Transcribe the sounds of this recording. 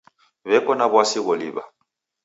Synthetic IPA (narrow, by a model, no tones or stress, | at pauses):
βɛkʼɔnabwasɪɣɔliːba̰